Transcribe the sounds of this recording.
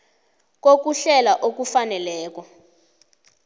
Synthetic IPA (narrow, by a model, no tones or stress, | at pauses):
k̬ok̬uɬɛlaʔok̬ufanɛlɛːk̬ɔ